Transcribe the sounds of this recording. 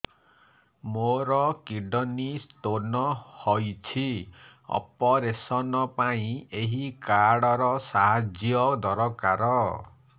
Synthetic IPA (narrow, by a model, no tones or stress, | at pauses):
moɾɔkiɖɔnistonɔhojt͡ʃʰi | ɔ̰pɔɾesɔnɔpaĩeɦikaɽɔɾɔsaɦad͡ʒjɔd̪ɔɾɔkaɾɔ